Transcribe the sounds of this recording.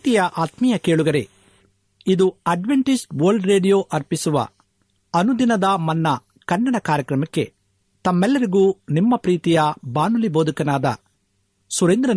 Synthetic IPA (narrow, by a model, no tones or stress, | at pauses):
t̪ijɐʔaːt̪mijɐkeːɭuɡɐɾḛ | id̪uɐɖʋeɳʈisʈʋɐːɾlɖɾeːɖijoːʔɐɾpisuʋɐ̰ | ɐnud̪inɐd̪ɐmɐnːɐ | kɐnːɐɳɐkaːɾjɐkɾɐmɐkːe̞̰ | t̪ɐmːɛlːɐɾiɡuːnimːɐpɾiːt̪ijɐbaːnuliboːd̪ʱukɐnaːd̪ɐ̰ | suɾend̪ɾɐ